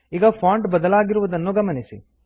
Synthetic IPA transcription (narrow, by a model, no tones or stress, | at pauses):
iːɡɐpʰaːɳɖbɐd̪ɐlaːɡiɾuʋud̪ɐnːuɡɐmɐnisi